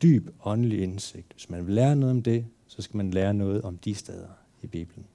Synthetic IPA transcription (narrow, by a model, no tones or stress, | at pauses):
d̥y̰ːb̥ɒ̽nəlie̝nse̝ɡ̥̚d̥ʋe̝smænʋe̝lːeːɐnɔ̽ːðˠɒ̽md̥e̝ | sɒ̽sɡ̥æmænleːɐnɔ̽ːð̞̩ˠɒ̽md̥isd̥eð̞ˠɐ | ib̥ḭːb̥ln̩